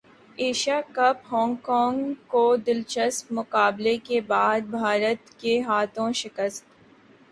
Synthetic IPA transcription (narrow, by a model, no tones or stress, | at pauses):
eːʃaːkɐpɦɔ̃ːŋɡkɔːŋɡkod̪ɪlt͡ʃəspmʊqaːblekebaːd̪̚bʱaːɾət̪keɦaːt̪ʰõʃɪkəst̪